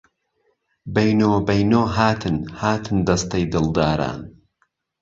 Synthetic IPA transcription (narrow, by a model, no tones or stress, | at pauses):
bɐjnoːbɐjnoːɦaːt̪ʰɨnhaːt̪ʰɨnd̪ɐst̪ɐjd̪ɨlˠd̪aːɾa̰ːn